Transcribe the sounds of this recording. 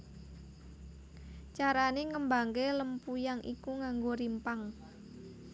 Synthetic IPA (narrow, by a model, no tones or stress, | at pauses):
t͡ʃaɾaneŋəmbaŋkeləmpujaŋʔḭkuŋaŋɡoɾimpaŋ